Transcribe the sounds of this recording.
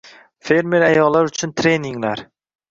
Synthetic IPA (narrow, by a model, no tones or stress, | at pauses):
fe̞ɾme̞ɾajɒllːaɾʊt͡ʃʰʊnt̪ʰɾe̞niŋlaɾ